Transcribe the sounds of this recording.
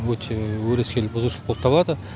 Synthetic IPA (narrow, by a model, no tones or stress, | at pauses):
wɵt̪ʰe̞wɵɾeskʲe̞lɪbʊzuwʃəlˠəqʰopt̪ɑblˠɑd̪ə